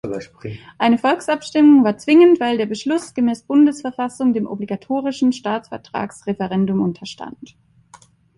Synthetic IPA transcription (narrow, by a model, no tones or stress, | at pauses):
ʔaɪnəfɔlksʔapʃtɪmʊŋvaːɐt͡sv̥ɪŋəntv̥aɪldeːɐbəʃlʊsɡ̥əmɛːsb̥ʊndəsfɛɐfasʊŋdeːmʔɔ̰bliɡatʰoːʁ̞ɪʃn̩ʃtaːt͡sfɛɐtʁ̥a̰ːksʁɛfəʁɛndʊmʔʊntʰɐʃtʰa̰nt